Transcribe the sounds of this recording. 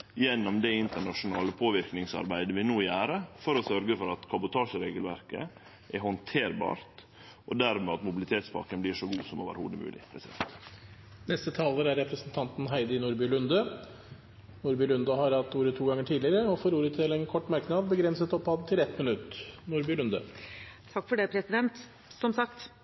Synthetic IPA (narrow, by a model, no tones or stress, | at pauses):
jɛnːɔmd̪ɛɪnt̪əɳɑʂʊnɑːləpʰoːʋɪɾknɪŋsɑ̰ɾbæɪd̪əʋɪnuːjæːɾəfɔɾɔsœɾɡəfɔɾɑt̪kʰɑbʊt̪ʰɑːʂəɾeːɡəlʋæɾkə̰ | ʔɛhɔnt̪ʰeːɾbɑ̰ːɾt̪ | ʔɔd̪æɾmɛɑt̪mʊbɪlɪt̪ʰeːt̪spʰɑ̰kənblɪʂɔɡuːsɔmo̰ːʋə̰ɾhṵːd̪əmʉ̰ːlʔɪ̰pʰɾɛsɪd̪ɛ̰nt̪ | nɛst̪ət̪ʰɑːləɾæɾːɛpɾəsnt̪ʰɑnt̪n̩ɦæɪd̪ɪnuɾbʏɭʉnd̪ə | nuɾbʏlʉnd̪ɑhɑɾhɑt̪ːuːɾət̪ʰuːɡɑŋːəʈʰiːd̪lɪɾəɔfɔɾuːɾət̪ʰɪlɛnkʰɔʈːmæɾknɑːd̪bəɡɾɛnsət̪ɔpːhɑd̪t̪ʰɪlɛt̪mənʉt̪ːnʊɾbʏlʉnd̪ət̪ʰɑkːfɔɖɛpʰɾɛsɪd̪ɛnt̪ | sɔmsɑkt̪